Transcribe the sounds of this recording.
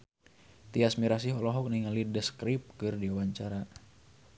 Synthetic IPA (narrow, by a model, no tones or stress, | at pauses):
t̪iasmiɾas̬iɦɔlɔɦɔk̚niŋalidəskɾip̚kɨrdiawaɲt͡ʃaɾa